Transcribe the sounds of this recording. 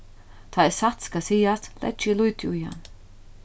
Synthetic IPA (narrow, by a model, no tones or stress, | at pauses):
t̪ʰaːɛsat̪skasiːast̪lʔɛ̰̥t͡ʃɪlujt̪ʰɪʊja̰n